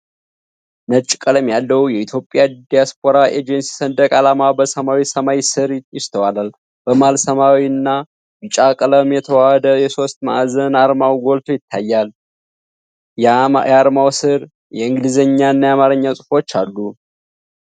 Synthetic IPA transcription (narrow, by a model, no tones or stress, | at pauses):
nət͡ʃʼi̥kʼələmjalːəwjɛit̪ʰjo̞pʼːjad̪ijaspʰʼo̞ɾaʔed͡ʒənsi̥sənd̪əkʼalamabəsəmawisəmawisɨɾjɪst̪ʰəwalal | b̥əmalsəmawinːa | bɨt͡ʃʼakʼələmjɛt̪ʰəwahəd̪əjɛso̞st̪ma̰ʔazənaɾmawɡo̞lt̪ʰojɪt̪ʰːajːal | jaɾmawsɨɾ | jɛɨŋɡlizəɲːanːajamaɾəɲːasʼɨfo̞t͡ʃːalːu